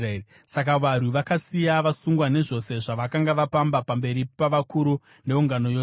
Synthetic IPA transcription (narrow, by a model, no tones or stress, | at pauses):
e | sak̬aʋar̤uʋakasijaʋasuŋɡwane̞ʐo̞se̞ʐaʋakaŋɡaʋapambapambe̞ɾipaʋakuɾu | ne̞uŋɡano̞jo